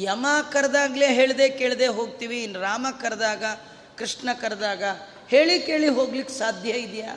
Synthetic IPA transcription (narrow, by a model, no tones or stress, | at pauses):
jɐmaːkɐɾd̪aːɡleːɦe̞ːɭd̪eːke̞ːɭd̪eːɦoːɡt̪iːʋiːnːɾaːmɐkɐɾd̪aːɡɐ | kɾiʂɳɐkɐɾd̪aːɡɐ | heːɭikeːɭiɦo̞ːɡlikːsaːd̪ʱjɐid̪ja̰ː